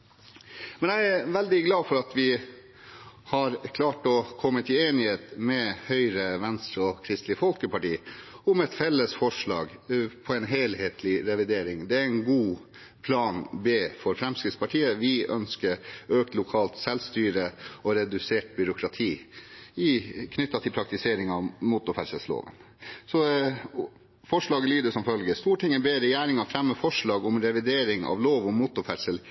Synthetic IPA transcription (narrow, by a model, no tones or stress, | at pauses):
mɛnæɪæʋɛld̪ɪɡlɑːfɔɾɑt̪ʋɪ | hɑɾkʰlɑːʈɔkʰɔmːət̪ʰɪeːnɪheːt̪mɛhœʏɾəʋɛnst̪ɾəɔkʰɾɪst̪lɪfɔlkəpɑʈiːʊmɛt̪fɛlːəsfɔʂɭɑ̰ːɡpʰɔɛnɦeːlheːt̪ʰlɪɾɛʋɪd̪eːɾɪŋd̪ɛæɾɛnɡuː | pʰlɑːnbeːfɔɾfɾɛmskɪt̪spɑʈʰiːəʋɪœnskəɾøːk̚t̪lʊkʰɑːlt̪sɛlst̪yːɾəɔɾɛd̪ʉseːʈ̚bʏɾʊkʰɾɑt̪ʰiːɪkʰnʏt̪ːɑt̪ʰɪlpʰɾɑk̚t̪ɪseːɾɪŋɑʋmut̪ʊfæʂəlslo̰ːʋə̰n | sɔ | fɔʂɭɑːɡəlyːd̪əsɔmfœlɡəst̪uːʈʰɪŋːəbeːɾɛjæːɾɪŋɑfɾɛmːəfɔʂɭɑːɡʊmɾɛʋɪd̪eːɾɪŋɑ̰ʋloːʋʊmmut̪ʊfæsəl